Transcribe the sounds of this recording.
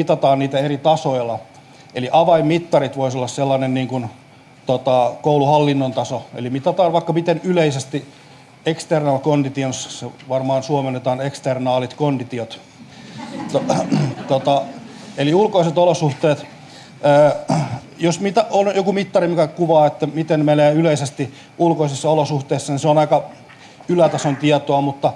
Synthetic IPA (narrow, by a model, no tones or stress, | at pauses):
mit̪ɑt̪ɑːnniːt̪æerit̪ɑsoilːɑ | eliʔɑʋɑimmit̪ːɑrit̪ʋoisolːɑsselːɑnenniːŋkun | t̪ot̪ɑkouluhɑlːinːont̪ɑsoḛlimit̪ɑt̪ɑːʋʋɑikːɑmit̪enyleisest̪i | ekst̪ernɑːlkondit̪ionsseʋɑrmɑːnsuomenːet̪ɑːnekst̪ernɑːlit̪kondit̪iot̪ | t̪ot̪ot̪ɑ | eliulkoiset̪olosuht̪eːt̪ː | josmit̪æonjokumit̪ːɑrimikækuʋɑːet̪ːæmit̪enmeneːyleisest̪i | ulkoisisːɑolosuht̪eːsːɑniseonɑikɑ | ylæt̪ɑsont̪iɛt̪oɑmut̪ːɑ